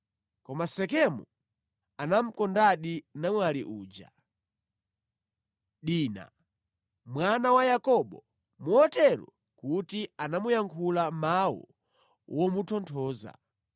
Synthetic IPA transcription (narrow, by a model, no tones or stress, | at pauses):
kɔmasɛkɛmu | anam̩kɔndaɗinamwalḭʔuːd͡ʒa̰ | ɗiːna̰ | mwanawajakɔɓɔ | muɔtɛɾṵ | kutianamujaŋkʰulamawɔ̰ | wɔmutʰɔntʰɔːza̰